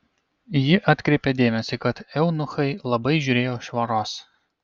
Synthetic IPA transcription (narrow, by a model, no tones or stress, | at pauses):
jɪʔɐt̪ʲkɾʲeːpʲɛd̪ʲeːmʲɛsʲɪkɐt̪ɛʊnʊxɐɪlˠɐbɐɪʒʲʊɾʲeːjoːʃʋɐɾoːs